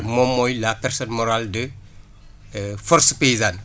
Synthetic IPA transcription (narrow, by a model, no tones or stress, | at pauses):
mɔmːɔjlapɛrsɔnmɔɾaldə | fɔɾspejzan